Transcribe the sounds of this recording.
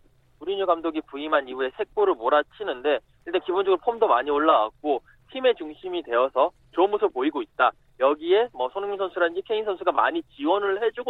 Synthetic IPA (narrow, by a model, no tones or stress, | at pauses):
uɾiɲuɡamdoɡipuimaniue̞sʰe̞k̚k͈oɾɯɭmoɾat͡ɕʰinɯnde̞ | iɭt͈ankibond͡ʑʌɡɯɾopʰomdomaɲioɭːawa̰k̚k͈o | tʰime̞t͡ɕuŋɕʰimidwe̞ʌsʰʌ | t͡ɕɾʌmutʰopoiɡoit̚t͈a | jʌɡie̞mʌsʰʌnɯŋːiŋsʰʌnsʰuɾadɯnd͡ʑikʰe̞insʰʌnsʰuɡama̰ɲit͡ɕiwʌnɯɭhe̞d͡ʑuɡo